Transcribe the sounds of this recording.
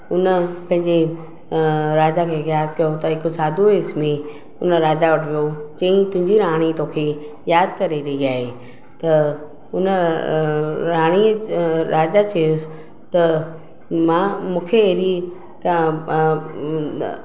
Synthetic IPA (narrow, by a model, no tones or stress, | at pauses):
ʊnəpɐ̃ɦɪ̃ɲd͡ʑe | ɾaːd͡ʑakʰeːɣjaːd̪kɐjot̪ɐɦɪksaːd̪ʱuɪsmẽ | ʊnəɾaːd͡ʑaʋɐʈʰʋijod͡ʑɐ̃ĩt̪ʊ̃ɦɪ̃ɲd͡ʑiɾãːɽ̃it̪oːkʰe | jaːd̪̚kɐɾeɾɐɦiaːɦe | t̪ɐ | ʊnə | ɾaːɽ̃iɾaːd͡ʑat͡ɕeʊs | t̪ɐ | mãːmũːkʰeeɾi | kã